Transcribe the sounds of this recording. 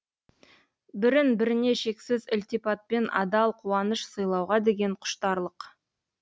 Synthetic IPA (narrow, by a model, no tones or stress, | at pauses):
bɪɾɪnbɪɾɪne̞ʃe̞ksɪzɪlt̪ipɑt̪̚pe̞nʔɑ̰d̪ɑlˠqʰuɑnəʃsəjlˠɑwʁɑd̪e̞ɡʲe̞ɴqʰʊ̥ʃt̪ɑɾlˠəq